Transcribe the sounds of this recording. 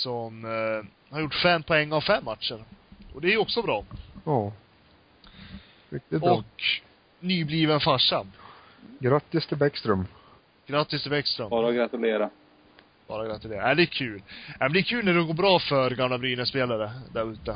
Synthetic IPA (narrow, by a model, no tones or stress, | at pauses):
sɔm | haɾjʊʈːfɛmːpʰɔɛŋːavfɛmːat̪ʂəɾʔɔd̪ɛæɾjɔksɔbɾɑːɑː | ɪk̚t̪ɪɔkk | nyːbliːvənfaʂːa | ɡɾat̪ːɪst̪ʰɪlbɛkst̪ɾɵm | ɡ̥ɾat̪ːɪst̪ʰɪlbɛkst̪ɾœmɑːɾaɡɾat̪ɵleːɾa | b̥ɑ̰ːɾaɡɾat̪ɵleːɾaæd̪ɛːkʰʉ̟ːlnæmɛnd̪ɛkʰʉ̟ːlnæɖɛɡoːbɾɑːfœɾɡamlabɾyːnəspeːlaɾəd̪æɾʉ̟ːt̪ə